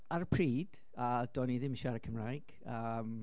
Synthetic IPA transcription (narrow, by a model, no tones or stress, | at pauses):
arpʰriːd̥ | adɔːniðɪmɪʃaɾəkʰəmrajɡ̥əm